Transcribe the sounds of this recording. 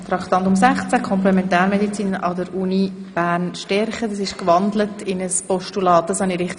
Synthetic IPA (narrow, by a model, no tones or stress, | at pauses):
t̪ɾɑkt̪ɑntʊms̬ɛχt͡sækʰχɔmplɛmɛntɛːɾmedit͡siːnəʔɑdəɾunib̥æːnʃtɛɾχəd̥ɑsɪʃkvɑndlətɪnəspɔʃtulɑːt̚d̥ɑshɑniɾɪχt